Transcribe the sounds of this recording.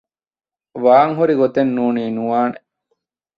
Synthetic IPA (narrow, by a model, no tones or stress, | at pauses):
ʋaːŋɦuɾiɡot̪enːuːniːnuʋaːne